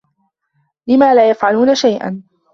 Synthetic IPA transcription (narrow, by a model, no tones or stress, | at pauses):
lɪmaːlaːjafʕaluːnaʃajʔa̰n